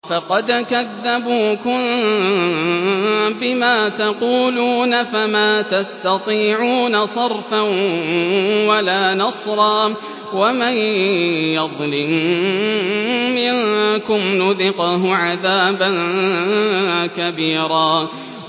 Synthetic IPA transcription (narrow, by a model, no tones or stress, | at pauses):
fɑqɑd̪kaðːabuːkʊm | bɪmaːt̪ɑquːluːnafamaːt̪ast̪ɑt̪ˤiːʕuːnasˤɑɾˤfan | walaːnɑsˤɾˤɑː | wamajjɑðˤlɪm | mɪnkʊmnʊðɪqʊɦʊʕaðaːban | kabiːɾaː